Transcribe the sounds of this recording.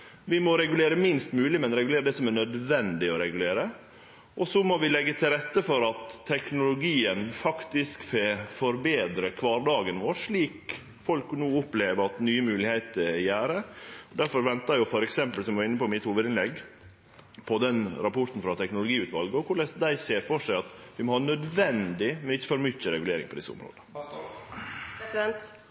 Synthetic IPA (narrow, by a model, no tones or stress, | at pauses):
ʋɪmɔɾɛɡʉleːɾəmɪnst̪mʉːlɪmɛnɾɛɡʉleːɾəd̪ɛsɔmænœd̪ʋɛnd̪ɪɔɾɛɡʉleːɾə | ʔɔsɔmɔʋɪlɛɡːət̪ʰɪlɾɛt̪ːəfɔɾɑt̪ʰːɛknʊlʊɡiːənfɑkt̪ɪskfefɔɾbeːd̪ɾəkʰʋɑːɾɖɑːɡənʋoːʂɭiːk | fɔlknuːʊpleːʋəɾɑt̪nyːəmʉːlɪhæɪt̪əɾjæːɾəɔd̪æɾfɔɾʋɛnt̪ɑjʊfɔɾɛksɛmpəlsɔmʋɑɾɪnːəpɔɪmɪt̪huːʋəd̪ɪnlɛɡ | pʰɔd̪ɛnɾɑpɔɾt̪n̩fɾɑt̪ʰɛknʊlʊɡiːʉːt̪ʋɑlɡəɔkʰʊɭɛsd̪æɪseːɾfɔʂæɪɑt̪ʋɪmɔhɑnœd̪ʋɛnd̪ɪmɛnɪçːəfɔɾmʏçəɾɛɡʉleːɾɪ̰ŋpɔd̪ɪsːəʊ̰mɾo̰ːd̪ə | ɛnt̪